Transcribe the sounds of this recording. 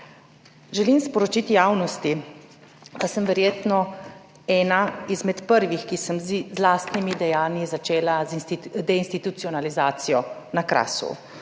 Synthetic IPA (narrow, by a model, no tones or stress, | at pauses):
ʒɛlimspɔɾɔt͡ʃit̪jaːwnɔst̪i | d̪̥asəmʋɛɾjeːt̪nɔ | ɛːnaizmɛt̪pəɾʋixkisəmzlaːst̪nimid̪ɛjaːnjizat͡ʃeːlazd̪ɛinst̪it̪ut̪sijɔnalizaːt̪sijɔnakɾa̰ːsṵ